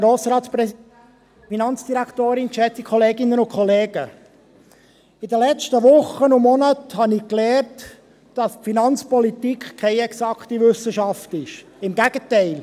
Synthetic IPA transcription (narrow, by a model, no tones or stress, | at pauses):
ɾoːsɾɑːtspɾɛ | finɑnt͡sd̥iɾækt̪oːɾɪnkʃɛt͡sikʰɔleːɡɪnːənʊnkʰχɔleːɡ̥ə | ɪdəlɛt͡ʃtəʋʊχːənʊmɔnəthɑnɪklɛːrt | d̥ɑspfinɑnt͡spɔlit̪ikχkʰːɛɪɛksɑkχtiʋʏsəʃɑftɪʃ | ɪmɡæɡ̥ətɛɪl